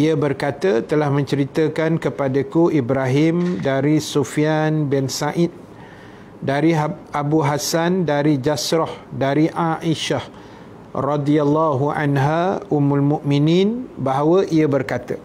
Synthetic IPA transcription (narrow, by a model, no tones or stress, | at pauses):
iəbərkat̪ət̪əlahmə̃ɲt͡ʃəɾit̪əkankəpadakuʔibɾaɦimdaɾisufianbɛnsaʔit̪̚ | daɾiabuɦasandaɾid͡ʒasɾɔhdaɾiʔaʔiʃah | rɑdialːaɦua̰nɦaʔumalmuʔminĩnbaɦawəʔiabərkat̪ə